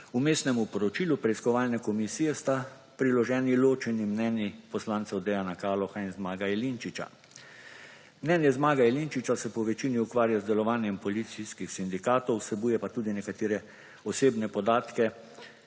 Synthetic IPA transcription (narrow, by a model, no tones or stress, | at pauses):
umeːst̪nɛmupɔɾɔt͡ʃiːlupɾɛiskɔʋaːlnɛkɔmisiːjɛst̪a | pɾilɔʒɛːniloːt͡ʃɛnimnɛnjipɔslaːnt̪sɛwd̪ɛjanakaːlɔxainzmaːɡaɛlint͡ʃit͡ʃa̰ | mnɛːnjɛzmaːɡaɛlint͡ʃit͡ʃasɛpɔʋɛt͡ʃiːniukʋaːɾjazd̪ɛlɔʋaːnjɛmpɔlit̪siskixsind̪ikaːt̪ɔwsɛbuːjɛpat̪uːd̪inɛkat̪eːɾɛ | ɔseːbnɛpɔd̪aːt̪kɛ